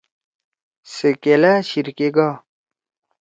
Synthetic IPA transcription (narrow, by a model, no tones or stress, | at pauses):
sekelaːɕiɾkeɡaː